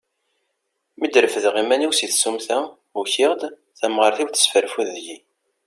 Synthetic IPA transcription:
mid̪ɾəfəðʁimæniwsiθsumθæ | uçɪʁd̪ | θæmʁəɾθiwθə̥sfəɾfuððʝi

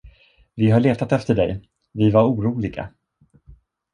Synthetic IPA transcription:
vɪɦaɭeːt̪at̪ɛft̪əɖɛ̰j | vɪvaɾuːɾuːlɪɡa̰

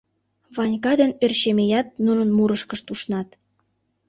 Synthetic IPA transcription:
βɑnʲkɑd̪ənørʃemejɑt̪̚nunə̆nmuɾəʃkəʃt̪uʃnɑt̪

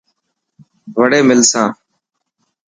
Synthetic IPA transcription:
ʋəɽeːmɪlsãː

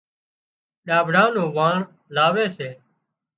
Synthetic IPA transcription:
ɗaːbʱɽãːnõːʋãːɳ | laːʋeːseː

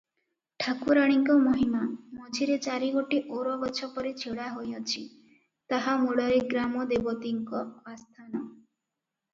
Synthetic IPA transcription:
ʈʰakuɾaɽ̃iŋkɔmoɦimamɔd͡ʒʱiɾet͡ʃaɾiɡoʈiʔoɾɔbɔt͡ʃʰɔpɔɾit͡ʃʰeɽaɦojɔt͡ʃʰi | t̪aɦamuɽɔɾeɡɾamɔd̪ebɔt̪iŋkɔast̪ʰanɔ

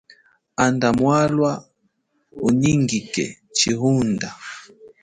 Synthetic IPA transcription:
andamwalwa | uɲiŋɡikɛ̰ | t͡ʃiɦunda

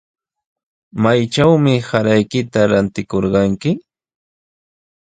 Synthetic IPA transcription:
majt͡ʃawmɪhaɾajkɪt̪aɾant̪ɪkoɾɢɑŋkɪ

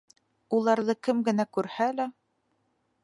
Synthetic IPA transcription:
ulˠɑɾðɤkɘmɡɘ̆nækʉɾhælæ

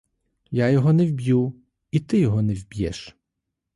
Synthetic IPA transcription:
jajɔɦɔnɛwbʲju | it̪ɪjɔɦɔnɛwbʲjɛ̰ʃ

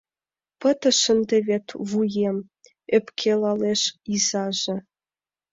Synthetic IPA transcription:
pə̆t̪ə̆ʃə̆nd̪eβʲet̪vujem | epkʰelɑleʃizɑʒĕ

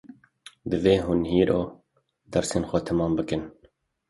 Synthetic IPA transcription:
d̪ɨveːɦʊnɦiːɾʔo̰ː | d̪æɾseːnxʷɔt̪ʰæmɑːmbɨkɨn

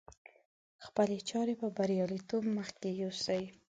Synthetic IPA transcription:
xpəlet͡ʃɑɾepəbaɾjɑlit̪obməxkejosaji

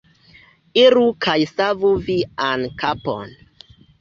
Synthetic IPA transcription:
iɾukajsavuviankapo̰n

